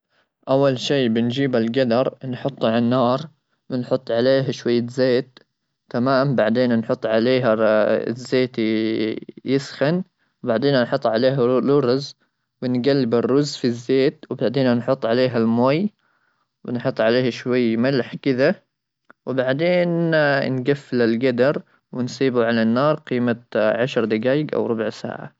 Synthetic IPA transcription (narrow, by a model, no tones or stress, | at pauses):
ʔawːalʃiːbɪnd͡ʒiːbalɡad̪ɑɾˤnħʊt̪ˤːalanːɑːɾˤ | wɪnħʊt̪ˤːʕaleːɦaʃwajːazeːt̪ː | amaːmbaʕd̪eːnnħʊt̪ˤːʕaleːɦa̰zːeːt̪ | jɪsxan | wbaʕd̪eːnanħʊt̪ˤːʕaleːɦalʊɾz | wɪnɡalːɪbɪrːʊzfizːeːt̪wbaʕd̪eːnanħʊt̪ˤːʕaleːɦalmoːj | wɪnħʊt̪ˤːʕaleːhaʃwajːmalħkɪd̪a | wɪbaʕd̪eːnnɡafːɪlalɡad̪ɑɾˤ | wɪnsˤiːbuʕalanːɑːɾˤqiːmaʕaʃɾˤd̪ɪɡaːjɪɡʔa̰wɾˤʊbʊʕsa̰ːʕa̰